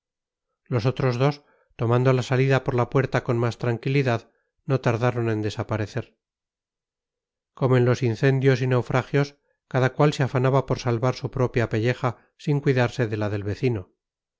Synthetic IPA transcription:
lo̞so̞t̪ɾo̞zðo̞s | t̪o̞mãnd̪olasaliðapoɾlapwe̞ɾt̪ako̞nmast̪ɾaŋkiliðað | no̞t̪aɾðaɾo̞ne̞nd̪e̞sapaɾe̞θe̞ɾ | ko̞moenlo̞sinθe̞nd̪jo̞sinewfɾaxjo̞s | kaðakwalseafanaβapo̞ɾsalβaɾsupɾo̞pjape̞ʎe̞xa | siŋkwiðaɾse̞ðelaðe̞lβe̞θino

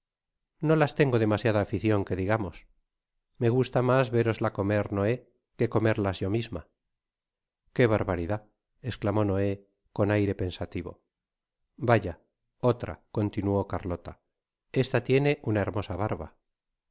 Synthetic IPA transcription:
no̞last̪e̞ŋɡo̞ðe̞masjaðaːfiθjo̞ŋke̞ðiɣamo̞s | me̞ɣ̞ust̪amazβe̞ɾo̞zlako̞me̞ɾno̞e̞ | ke̞ko̞me̞ɾlazʝo̞mizma̰ | ke̞β̞aɾβaɾiða | esklamo̞no̞e̞ | ko̞najɾe̞pe̞nsat̪iβo̰ | baʝa | o̞t̪ɾa̰ko̞nt̪inuo̞kaɾlo̞t̪a | e̞st̪at̪je̞ne̞ʔunaeɾmo̞saβaɾβa̰

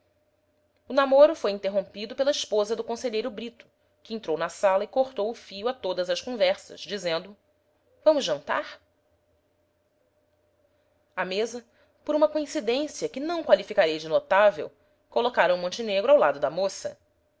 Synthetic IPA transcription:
ʊnamoɾʊfojĩnt̪eɦõpid̪ʊpelɐiʃpozɐd̪ʊkõseʎejɾʊbɾit̪ʊ̥ | kɪẽnt̪ɾownɐsalɐɪkoχt̪owʊfijʊat̪od̪ɐzɐʃkõvɛɾsɐ̰ʃd͡ʒizẽnd̪ʊ | vɐ̃mʊzʒɐ̃nt̪a̰ɾ | ɐmezɐ | poɾũmɐkoĩsid̪ẽsiɐkɪnɐ̃w̃kwalifikaɾejd͡ʒɪnot̪avḛw | kolokaɾɐ̃w̃mõnt͡ʃineɡɾʊawlad̪ʊd̪ɐmosɐ̰

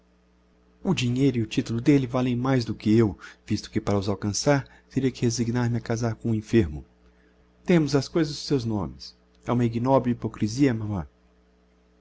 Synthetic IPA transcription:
ʊd͡ʒiɲejɾʊiʊt͡ʃit̪ulʊd̪elɪvalẽj̃majzd̪ʊkɪewvist̪ʊ̥kɪpaɾɐʊzawkɐ̃saɾ | t̪eɾiɐkɪheziɡnaɾmɪɐkazaɾkõũĩfeɾmʊ | t̪ẽmʊzɐskojzɐzʊsewznõmɪs | ɛũmɐiɡinɔbɾuipokɾiziɐmɐ̃mɐ̰̃

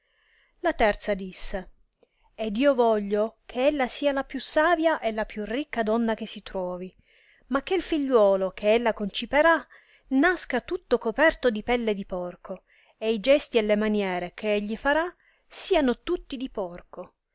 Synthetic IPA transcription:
lat̪ɛrt̪sad̪isːe | ed̪iːovɔʎːokʰeelːasiːalapjusːaːvjaʔelapjurikːad̪ɔnːak̟esːit̪ɾɔːvi | mak̟ːeilfiʎːwɔːlokʰeelːakont͡ʃipeɾa | naskat̪ut̪ːokopɛrt̪od̪ipɛlːed̪ipɔrkʰo | eid͡ʒɛst̪ielːemanjɛːɾek̟ʰeeʎːifaɾa | siːanot̪ut̪ːid̪ipɔrko

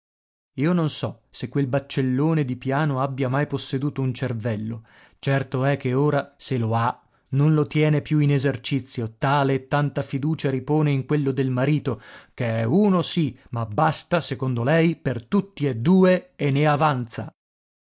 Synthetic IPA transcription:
iːononsɔ | sekːwelbat͡ʃːelːoːned̪ipjaːnoabːjamajposːed̪uːt̪ount͡ʃervɛlːo | t͡ʃɛrt̪oɛkːeoːɾaseloa | nonlot̪jɛːnepjuinezert͡ʃit̪sːjot̪aːleːt̪ːant̪afid̪uːt͡ʃaɾipoːneiŋkwelːod̪elmaɾiːt̪okeɛuːnosimabːast̪asekond̪olɛjpert̪ut̪ːied̪ːuːeenːeavant̪sa̰

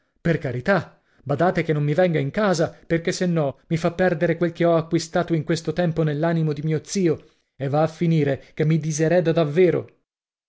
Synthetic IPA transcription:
perkaɾit̪a | bad̪aːt̪ekenːomːivɛŋɡaiŋkaːzaperkesːenːɔmifapːɛrd̪eɾekwelk̟eɔakːwist̪aːt̪oiŋkwest̪ot̪ɛmponelːaːnimod̪imiːot̪siːo | evːaːfːiniːɾekemːid̪izeɾɛːd̪ad̪avːeːɾo̰

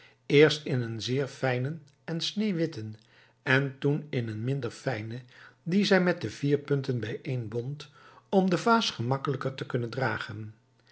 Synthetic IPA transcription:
ɪːɹstɪnənzɪːɹfɛjnən | ɛnsnejʋɪtən | ɛntunɪnənmɪndəɹfɛjnədizɛjmɛt̚dəv̥iːɹpɵntənbɛjʔejnbɔnt | ɔmdəvaːsχəmɑkələkəɹtəkɵnəndraːχən

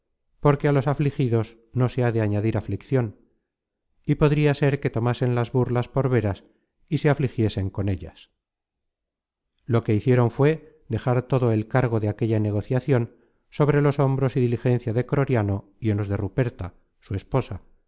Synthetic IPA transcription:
poɾkealo̞saflixiðo̞s | no̞se̞aðeaɲaðiɾaflikθjo̞n | ipo̞ðɾiase̞ɾke̞t̪o̞mase̞nlazβurlaspo̞ɾβe̞ɾas | ise̞aflixje̞se̞ŋko̞ne̞ʎas | lo̞ke̞iθje̞ɾo̞ɱfwe̞ | ðe̞xaɾt̪o̞ðoelkaɾɣ̞o̞ðeake̞ʎane̞ɣ̞o̞θjaθjo̞n | so̞β̞ɾe̞lo̞so̞mbɾo̞siðilixẽ̞n̟θjaðekɾo̞ɾjano̞ | ienlo̞zðe̞rupe̞ɾt̪a | suespo̞sa

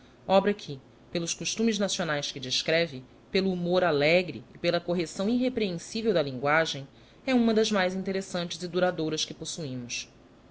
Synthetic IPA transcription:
ɔbɾɐkʰɪ | pelʊʃkuʃt̪ũmɪznasionajskɪd͡ʒiʃkɾɛvɪ | peluːmoɾalɛɡɾɪ̰ːpelɐkoɦesɐ̃w̃iɦepɾeẽŋsivewd̪ɐlĩŋɡwaʒẽj̃ | ɛũmɐd̪ɐzmajzĩnt̪eɾesɐ̃nt͡ʃɪzɪd̪uɾad̪oɾɐskɪposuĩmʊs

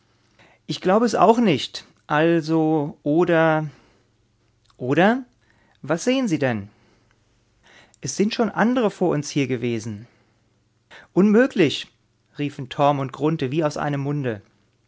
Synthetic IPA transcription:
ʔɪçɡ̥laʊbəɛsʔa̰ʊxnɪçt | ʔalzoʔoːdɐ | ʔoːɾɐ | vasz̥eːənziːdɛn | ʔɛsz̥ɪntʃoːnʔa̰ndəʁəfoːɐʔʊnshiːɐɡəveːzn̩ | ʔʊnmøːklɪç | ʁiːfn̩tʰɔɐmʊnt̚ɡ̥ʁʊntəviːaʊsʔa̰ɪnəmːʊndə

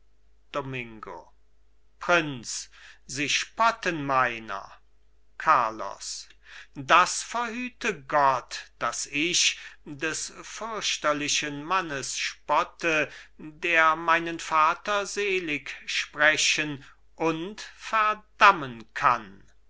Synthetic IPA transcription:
d̥omɪŋɡo̰ | pʁ̥ɪnsz̥iːʃpɔtənmaɪnɐ̰ | kʰaɐlɔ̰s | dasfɛɐhyːtəɡɔtd̥asɪɕdɛsfʏɐɕtɐlɪʃənmanəsʃpɔtʰədeːɐmaɪnənfaːtɐzeːlɪkʃpʁɛɕən | ʔʊntfɛɐdamənkʰan

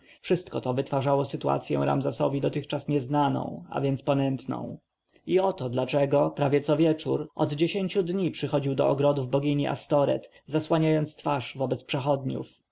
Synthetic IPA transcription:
fʂɘst̪̚kɔt̪ɔvɘt̪faʐawɔsɘt̪ua̰t̪sʲjɛ̰̃w̃ɾa̰mzɛsɔvʲid̪ɔt̪ɘxt͡ʂasɲɛznanɔ̰̃w̃a̰vʲjɛnt̪spɔnɛnt̪nɔ̰̃w̃ | iɔt̪ɔd̪lat͡ʂɛɡɔpɾavʲjɛt̪sɔvʲjɛt͡ʂuɾʔɔd̪d͡ʑeɕẽɲʲt͡ɕud̪ɲipʂɘxɔd͡ʑiwd̪ɔ̰ɔɡɾɔd̪uvbɔɡʲiɲiʔa̰st̪ɔɾɛ̰t̪ | zaswaɲajɔnt̪st̪faʂvɔbɛt̪spʂɛxɔd̪ɲṵf

